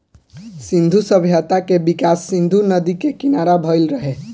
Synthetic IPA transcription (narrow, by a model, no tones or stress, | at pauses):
sĩnd̪ʱusəbʱjət̪akebikasːĩnd̪ʱunəd̪ikekinaɾabʱəjlɾəɦe